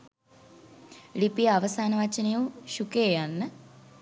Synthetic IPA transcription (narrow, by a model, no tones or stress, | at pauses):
lipijəaʋəsaːnəʋat͡ʃənejuʃukeːjanːə